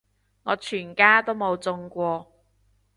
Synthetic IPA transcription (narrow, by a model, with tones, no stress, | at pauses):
ŋɔː˨˧t͡ʃʰyː˨˩nkaː˥t̪o˥wmo˨˧wt͡sʊ˧ŋkʷɔː˧